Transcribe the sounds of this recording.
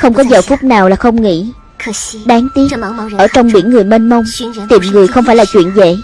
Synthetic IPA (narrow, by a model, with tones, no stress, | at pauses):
xə˧wŋ͡mkɔ˨˦zəː˨˩fʊ˦˥k͡p̚naː˨˩wlaː˨˩xə˧wŋ͡mŋḭ˧˥˨ | ɗaː˨˦ŋt̪i˦˥əpəː˧˩t͡ɕɔ˧wŋ͡mɓḭ˧˩ənŋɨ˨˩əjme˧nmə˧wŋ͡mt̪i˨˩mŋɨ˨˩əjxə˧wŋ͡mfaː˧˩jlaː˨˩t͡ɕwḭ˧˨ənvḛ˧˨